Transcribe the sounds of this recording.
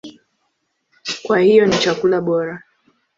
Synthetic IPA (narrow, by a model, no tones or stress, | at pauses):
kwahijɔnit͡ʃakulaɓɔɾa